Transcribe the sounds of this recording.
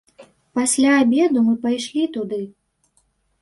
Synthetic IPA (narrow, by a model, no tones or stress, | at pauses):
pasʲlʲaːbʲɛd̪umɨpajʂlʲit̪ud̪ɨ